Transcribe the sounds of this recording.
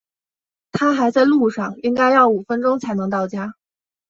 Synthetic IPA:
t̪ʰa˥xa˧˥ɪt͡sa˥˧ɪlu˥˧ʂɑ˥˩ŋi˥ŋka˥ɪjɑ˥˩ʊu˨˩fə˥nʈ͡ʂʊ˥ŋt͡sʰa˧˥ɪnɤ˧˥ŋt̪ɑ˥˩ʊt͡ɕja˥

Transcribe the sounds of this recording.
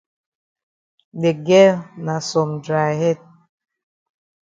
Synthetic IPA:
ɗe˨ɡɛ˦lna˨sɔ˨mdɾa˨ɦɛ˦t̚

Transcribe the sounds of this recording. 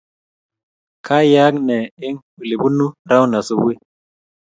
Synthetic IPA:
kʰa˦ja˦k̚ne˨i˦ŋ | u˨li˨bu˦nu˦ɾa˦wna˨su˨˦bwi˦

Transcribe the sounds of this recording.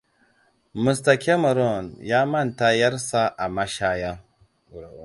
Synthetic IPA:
mi˨sta˨ke˦mɔ˨ɾɔ˦˨nja˦mɐ˦˨nta˦jɐ˦ɾsa˦ʔa˨ma˦ʃa˦ja˦

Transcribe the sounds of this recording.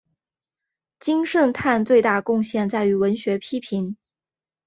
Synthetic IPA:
t͡ɕi˥ŋʂə˥˧nt̪ʰa˥˧nt͡swe˥˧ɪt̪a˥˧kʊ˥˧ŋɕjɛ˥˧nt͡sa˥˩ɪy˧˥wə˧˥nɕɥɛ˧˥pʰi˥pʰi˧˥n

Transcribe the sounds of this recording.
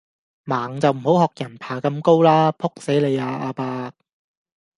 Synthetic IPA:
maː˨˩ŋt͡sɐ˨wm̩˨˩ho˨˥whɔː˨k̚jɐ˨˩npʰaː˨˩kɐ˧mko˥wlaː˥pʰʊ˥k̚se˨˥jle˨˧jaː˧ʔaː˧paː˧t̚

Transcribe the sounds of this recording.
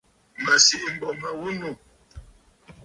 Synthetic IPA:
mə˨si˦ʔm̩˨bɔ˨mə˨wu˦nu˨

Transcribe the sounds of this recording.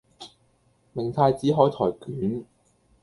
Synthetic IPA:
mɪ˨˩ŋt̪ʰaː˧jt͡siː˨˥ɦɔː˨˥jt̪ʰɔː˨˩jkyː˨˥n

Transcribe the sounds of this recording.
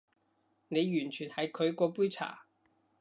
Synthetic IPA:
ne˨˧jjyː˨˩nt͡ʃʰyː˨˩nhɐ˨˥jkʰɵ˨˧ɥkɔː˧puː˥jt͡sʰa̰ː˨˩

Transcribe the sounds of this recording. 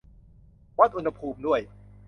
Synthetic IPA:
wa˦˥˩t̪̚ʔu˧nha˧pʰuː˧mdu˥˩əj

